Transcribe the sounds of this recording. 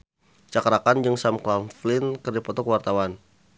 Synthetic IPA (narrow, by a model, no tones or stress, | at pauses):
t͡ʃakɾakand͡ʒɨŋsamklamflɪnkərdipɔt̪ɔkwart̪awan